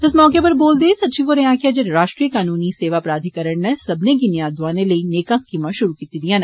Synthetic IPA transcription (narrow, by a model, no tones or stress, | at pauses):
ɪsmɔːkepɐɾboːld̪eːsɐt̪ːʃʰiʋoɾɛɦãːkijad͡ʒeɾɾaːʃʈɾijəkaːnuːniseːʋapɾaːd̪ʱikɐɾəɳnɛ̃sɐbʱnek̬injãːd̪ʋaːnelɐineːkãskimãʃʊɾukiːt̪id̪ijãːnɛ̃